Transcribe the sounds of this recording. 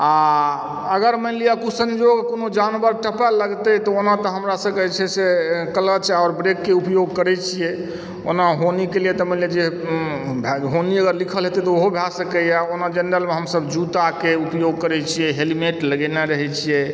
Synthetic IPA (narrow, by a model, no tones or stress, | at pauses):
a | əɡəɾməlijakusə̃nd͡ʒoɡkonod͡ʒanbəɾʈəpaləɡt̪ɛt̪ɔonat̪ɔɦəmɾasə̃kəɦɛt͡ʃʰɛsekələt͡ʃɔɾbɾekːeupjoɡkəɾɛt͡ʃʰijɛ | o̰naɦonikelijet̪ɔməliad͡ʒe | bʱɦoniəɡəɾlikʰəlɦet̪ɛt̪ɔoɦobʱasəkɛjaonad͡ʒənɾəlmeɦəmsəbd͡ʒut̪akeupjoɡ̚kəɾɛt͡ʃʰijɛɦelimeʈləɡɛnaɾəɦɛt͡ʃʰijɛ